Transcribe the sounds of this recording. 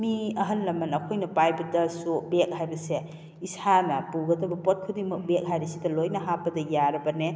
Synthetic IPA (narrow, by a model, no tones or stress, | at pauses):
miɐɦɐnlɐmɐnɐkʰojnɐpajbɐdɐsobek̚hajbɐse | isanɐpuɡɐtɐbɐpot̚kʰudimɐk̚bek̚ɦaɾisidɐlojnɐɦapɐdɐjaɾɐbɐne